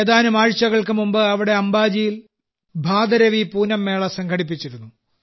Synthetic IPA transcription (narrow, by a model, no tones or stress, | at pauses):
eːd̪aːnumaːɻt͡ɕːɐɣɐɭkɨmumbɨɐʋiɽe̞ɐmbaːd͡ʑijil | bʱaːd̪ɐɾɐʋipuːnɐmːe̞ːɭɐsɐŋɡʰʱɐɽip̬ːit͡ɕːiɾunːu